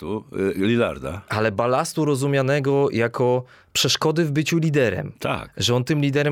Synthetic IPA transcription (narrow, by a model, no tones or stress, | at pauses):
t̪ulʲila̰ɾd̪a̰alɛbalast̪uɾɔzumʲjanɛɡɔjakʰɔ | pʂɛʂkɔd̪ɘvbɘt͡ɕulʲid̪ɛɾɛ̰mt̪ʰa̰kʐɛɔnt̪ɘmlʲid̪ɛɾɛ